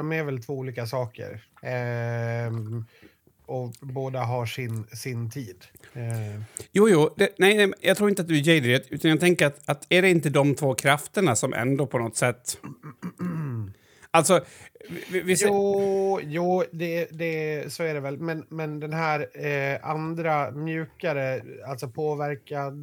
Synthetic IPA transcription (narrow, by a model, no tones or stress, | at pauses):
ɔmæɾvɛlt̪ʰvoːuːliːkasɑːkə̰ɾ | ɔboːd̪aɦaʂɪnsɪnt̪ʰiːd̪ | juːjuːd̪ɛnɛɪnɛmjɑɡt̪ɾuːɪnt̪at̪d̪ɵæjɛɪd̪ɾɛt̪ʉ̟ːt̪anjaɡ̚t̪ʰɛŋkəɾat̪at̪æɖɛɪnt̪əd̪ɔmt̪ʰvoːkʰɾaft̪əɳasɔmʔɛ̰nd̪oːpʰɔnɔt̪ːsɛt̪ː | alt̪sɔ | vɪsu | juːd̪ɛd̪ɛsoːæɖɛvɛlmɛnmɛnd̪ɛnɦæːɾand̪ɾamjʉ̟ːkaɾəalt̪sɔpʰoːvæɾkad̪